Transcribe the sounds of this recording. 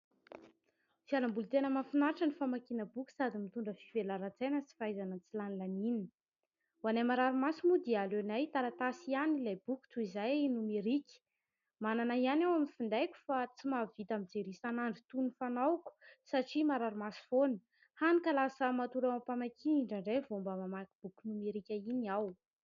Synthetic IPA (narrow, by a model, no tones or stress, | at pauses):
sialambulut̪enəmafinaɾʈ͡ʂənifamakinəbukʲi̥sad̪imit̪uɳɖ͡ʐəfivelaɾat͡sajnət͡si̥fajzanət͡silanilanin | wanamaɾaɾimasimud̪ialenajt̪aɾat̪asianilajb̥ukʲt̪uizajnumeɾikʲi̥ | mananaianewaminfind̪ajkʲu̥fat͡simavit̪amid͡zeɾisanaɳɖ͡ʐit̪unifanawku̥saʈ͡ʂimaɾaɾumasi̥fonə̥ | hanikalasəmat̪uɾawampamakʰiiɳɖ͡ʐaɳɖ͡ʐejvombəmamakib̥ukʲunumeɾikʲainiaw